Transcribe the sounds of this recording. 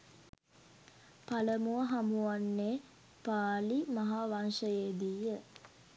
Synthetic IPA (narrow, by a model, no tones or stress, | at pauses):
paləmuʋəɦamuʋanːe | paːlimaɦaːʋanʃəjeːd̪ijə